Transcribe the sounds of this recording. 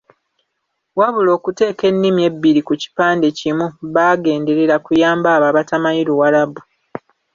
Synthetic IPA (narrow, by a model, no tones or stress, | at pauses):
waβulo̞ːkute̞ːke̞nːimje̞bːiɾikuci̥paːndecimuβaɡe̞ːnde̞ɾe̞ɾakujaːmbaːβaβatamajiɾuwalabu